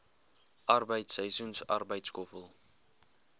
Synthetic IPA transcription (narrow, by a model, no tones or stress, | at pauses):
ʔɐrbəjtsəjsunsɐ̰rbəjtskɔfəlˠ